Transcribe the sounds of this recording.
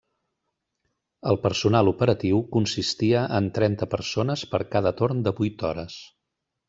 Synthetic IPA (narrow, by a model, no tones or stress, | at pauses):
əlˠpəɾsunalˠupəɾət̪iwkunsist̪iəʔənt̪ɾɛnt̪əpəɾsonəspəɾkað̞ət̪oɾnd̪əβujt̪ɔɾəs